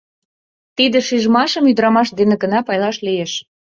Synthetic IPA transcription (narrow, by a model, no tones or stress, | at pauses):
t̪id̪ĕʃiʒmɑʃəmyd̪əɾɑmɑʃd̪enĕɡə̆nɑpɑjlɑʃlijeʃ